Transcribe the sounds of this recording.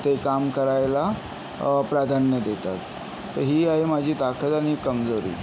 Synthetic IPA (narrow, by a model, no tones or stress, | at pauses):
t̪ekamkəɾajla | pɾad̪ʱanjəd̪et̪a̰t̪ː | əɾɦiːaimad͡ʑʱiːt̪akʰət̪añikəmd͡zoɾḭː